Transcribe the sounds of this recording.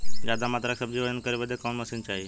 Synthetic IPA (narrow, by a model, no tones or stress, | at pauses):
jjaːd̪amaːt̪ɾaksəb̚d͡ʑiːʋod͡ʒənkəɾeːʋəd̪ekoːnməsint͡ʃaːɦeː